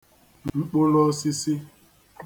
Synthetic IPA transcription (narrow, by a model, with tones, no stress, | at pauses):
ŋ͡mŋ͡m̩˦k͡po˦lɔ˦si˦si˦